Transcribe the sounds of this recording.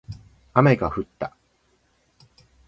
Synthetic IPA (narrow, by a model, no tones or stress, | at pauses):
amaɡkaɸɯ̟t̪ːa